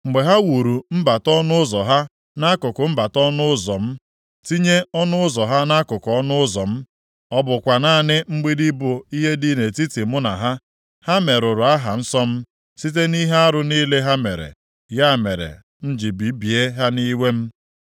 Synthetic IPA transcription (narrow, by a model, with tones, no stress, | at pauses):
ŋ͡m̩˨ɡ͡be˨ɦa˦wu˨ɾu˨m̩˦ba˨tɔ˦nʊ˦ʊ˦zɔ˨ɦa˦ | na˦kʊ˨kʊ˨m̩˦ba˨tɔ˦nʊ˦ʊ˦zɔ˨m̩˦ | ti˦ɲe˦ɔ˦nʊ˦ʊ˦zɔ˨ɦa˦na˦kʊ˨kʊ˨ɔ˦nʊ˦ʊ˦zɔ˨m̩˦ | ɔ˦bʊ˨kʷa˨na˦˨nɪ˦ŋ͡m̩˦ɡ͡bi˦di˦bʊ˨i˦ɦe˦di˦ne˨ti˦ti˨mʊ˦na˨ɦa˦ | ha˦me˨ɾʊ˨ɾʊ˨a˦ɦa˨n̩˦sɔ˦m̩˦ | si˦t̬e˦ni˦ɦe˦a˦ɾʊ˨niː˦le˦ɦa˦me˨ɾḛ˨ | ja˦˨me˨ɾḛ˨ | n̩˦d͡ʒi˨bi˨˦bi˨e˦ɦa˦ni˦we˦m̩˦